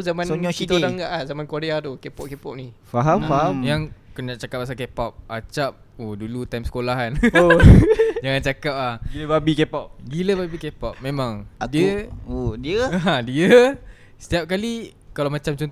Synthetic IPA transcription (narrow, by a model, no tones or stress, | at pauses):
zamãnoɲɔit̪daŋɡaʔahzamankoɾeat̪ukepɔp̚kepɔp̚nifaɦamfaɦamjaŋkənaʔt͡ʃakap̚ːas̬akepɔp̚ʔat͡ʃap̚ | odulut̪ajmsə̥kolaɦano | d͡ʒaŋant͡ʃakap̚lahɡiləbabikepɔp̚ɡiləbabikepap̚mẽmãŋdiəodiəɦadiə | sə̥t̪iap̚kalikalawmãt͡ʃamt͡ʃɔn